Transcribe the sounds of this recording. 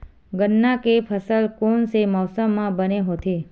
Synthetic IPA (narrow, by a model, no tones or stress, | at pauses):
ɡənːakepʰəsəlkonsemɔwsəmːãbəneɦot̪ʰe